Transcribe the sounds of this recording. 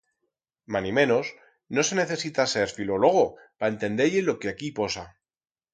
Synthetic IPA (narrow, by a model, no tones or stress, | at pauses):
manimẽ̞no̞s | no̞se̞ne̞θe̞sit̪ase̞ɾfilo̞lo̞ɣ̞o | pae̞nt̪ẽ̞nd̪eʎelo̞keakipo̞sa